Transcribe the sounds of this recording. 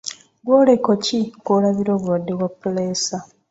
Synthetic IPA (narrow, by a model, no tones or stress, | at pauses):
ɡwoːlekocikolaβiɾo̞ːβuwadːe̞βwapːuleːsa